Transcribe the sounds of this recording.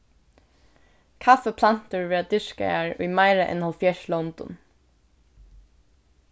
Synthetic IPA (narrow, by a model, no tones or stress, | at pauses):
kʰafəpʰlan̥t̪əɹvɛːɹad̪ʏʂka̰aɹṵjmajɹaʔɛ̰nhalfjɛʃlɔwnt̪ʊ̰n